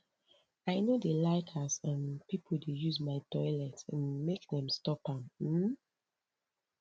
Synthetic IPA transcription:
aɪnodəlaɪtʰasə̃npipʰoldejuzmaɪtɔɪlɛtə̃nmekdɛ̃mstɔpãm̩

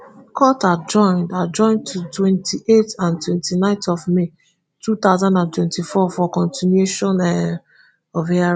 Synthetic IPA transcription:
kʰɔtad͡ʒɔ̃ɪ̃ndad͡ʒɔ̃ɪ̃ntʰutwɛ̃ntʰiʔetãntwɛ̃ntʰinãɪ̃ntɔvme | tʰut̪aʊzãndãntwɛ̃ntifɔfɔkɔ̃ntinjueʃɔ̃nɛ | ɔvɛa

